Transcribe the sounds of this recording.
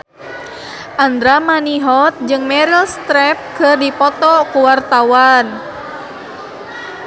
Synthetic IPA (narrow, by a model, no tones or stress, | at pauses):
ʔand̪ɾamaniɦɔt̪̚d͡ʒɨŋmɛɾilst̪ɾɛp̚kərdipɔt̪ɔkuwart̪awan